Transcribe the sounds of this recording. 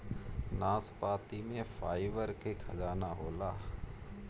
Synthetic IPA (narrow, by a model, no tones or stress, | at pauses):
naːspaːt̪imẽfʰaːɪʋəɾkekʰɐzaːnaːɦoːlaː